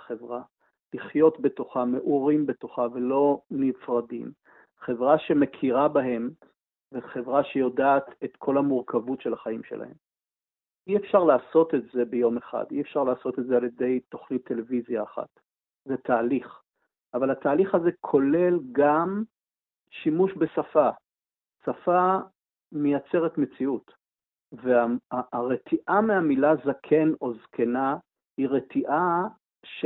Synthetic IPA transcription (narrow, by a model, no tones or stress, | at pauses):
χevʁa | liχjo̞tbe̞to̞χame̞ʔuʁimbe̞toχavelo̞nifʁadḭm | χe̞vʁaʃe̞me̞kʰiʁabaɦe̞m | veχe̞vʁaʃe̞jo̞daːt̪etkʰo̞lhamuʁkavutʃe̞laχaimʃe̞lʔa̰he̞̰m | iefʃaʁlaːso̞tetze̞bejo̞meχa̰diefʃaʁlaːso̞tetzealje̞de̞jto̞χnit̪ʰːe̞le̞vizjaːχa̰t | zet̪ʰaːliχ | avalataːliχazekʰo̞le̞lɡam | ʃimuʃbe̞safa | safa | mejat͡se̞ʁetme̞t͡siut | veaaːʁetʰiʔameamilazakʰe̞no̞zkʰe̞na | hiʁetʰiʔa | ʃ